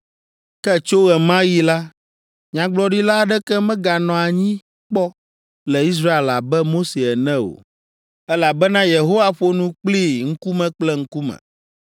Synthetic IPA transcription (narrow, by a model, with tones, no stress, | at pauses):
kɛ˦t͡ʃo˦ɣɛ˨mã˦ji˦la˦ | ɲã˨ɡ͡blɔ˦ɖi˦la˦ɖɛ˦kɛ˦mɛ̃˦ɡa˨nɔ̃˨a˨ɲĩ˦ | k͡pɔ˦ | lɛ˨i˦s̬ɾa˦e˨la˨bɛ˦mo˦se˨ɛ˨nɛ̃˦o̰˨ | ɛ˦la˨bɛ˦nã˦je˨ɦo˦wa˦ɸo˦nũ˦k͡pli˦˨ŋ̩˦ku˦mɛ̃˦k͡plɛ˦ŋ̩˦ku˦mɛ̰̃˨